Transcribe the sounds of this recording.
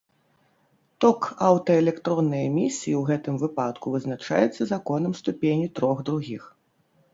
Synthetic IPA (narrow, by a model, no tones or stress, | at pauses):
t̪ɔkawt̪ɐɛlʲɛkt̪ɾɔnːɨjɐmʲisʲijiwɣɛt̪ɨmvɨpat̪kuvɨznat͡ʂa̰jɛt̪sːɐzakɔnɨmst̪upʲenʲit̪ɾɔɣd̪ɾuɣʲix